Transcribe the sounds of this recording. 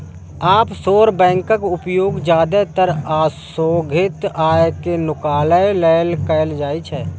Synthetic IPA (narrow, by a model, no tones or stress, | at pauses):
aːpsoːɾbɛ̃ːŋkəkʊpjoːɡd͡ʒjaːd̪et̪əɾaːs | oːɡʱɪt̪aːekenʊkaːləelɛːlkəld͡ʒaːit͡ʃʰɛː